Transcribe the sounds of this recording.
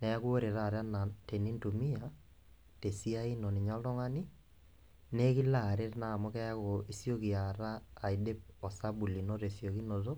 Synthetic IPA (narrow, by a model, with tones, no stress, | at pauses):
nɛ˨˦kwo˦ɾe˨ɾa˦˨ɾa˦na˨te˨ni˦nto˨mi˦a˨ | te˨si˦a˦i˦no˨ni˨ɲa˦lɔ˦ŋa˦ni˦ | ne˦ki˦la˨ɾe˦tna˨mɔ˦kɛ˦a˦ko˨i˨sjo˦ki˨a˨ɾaː˦˨i˨de˦p̚ɔ˨sa˦bu˨li˨no˦te˨sjo˨ki˦no˨to˦